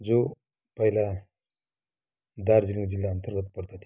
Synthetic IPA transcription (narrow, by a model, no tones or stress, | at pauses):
d͡zo | pʌjla | d̪aɾd͡ziliŋd͡zilːaʌnt̪ʌɾɡʌt̪̚pʌɾt̪at̪ʰ